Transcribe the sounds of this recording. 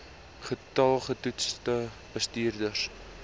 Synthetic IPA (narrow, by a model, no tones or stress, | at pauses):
χətɐlˠχətutstə | b̥əstiːrdər